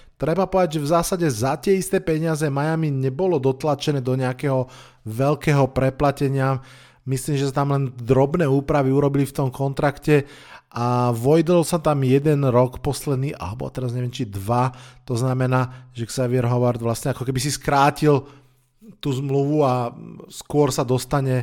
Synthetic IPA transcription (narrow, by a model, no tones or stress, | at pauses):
t̪ɾɛbapɔʋɛd̪aɟʒɛvzaːsaɟɛzat̪ɪɛist̪ɛːpɛɲɪazɛmajamiɲɛbɔlɔd̪ɔt̪lat͡ʃɛnɛːd̪ɔɲɛakɛːɦɔ | ʋɛlkɛːɦɔpɾɛplacɛɲɪa | misliːmʒɛsat̪amlɛnd̪ɾɔbnɛːuːpɾaʋiuɾɔbilift̪ɔmkɔnt̪ɾakcɛ | ʔaʋɔjd̪ɔlsat̪amjɛd̪ɛnɾɔkpɔslɛd̪niːʔa̰lɛbɔ̰a̰t̪ɛɾazɲɛʋɛmt͡ʃid̪ʋat̪ɔznamɛnaːʒɛksɛʋiɛɾɦɔʋaɾd̪ʋlastɲɛakɔkɛbisiskɾaːcil | t̪uːzmluʋuaskʊɔɾsad̪ɔst̪aɲɛ